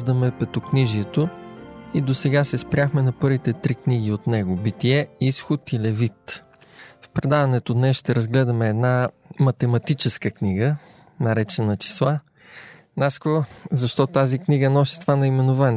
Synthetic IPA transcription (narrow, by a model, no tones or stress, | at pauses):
ʒd̪əmɛpɛt̪okniʒiɛt̪oid̪osɛɡasɛspɾʲjaxmɛnɐpɤɾvit̪ɛt̪ɾikniɡ̟iot̪nɛɡobit̪iɛisxot̪ilɛvit̪ | fpɾɛd̪avɐnɛt̪od̪nɛsʃt̪ɛɾɐzɡlɛd̪ɐmɛːd̪namɐt̪ɛmɐt̪it͡ʃɛskəkniɡə | nɐɾɛt͡ʃɛnɐt͡ʃi̥slˠa | naskɔɾzɐʃt̪ɔt̪azikniɡənɔsi̥t̪vanɐimɛnovani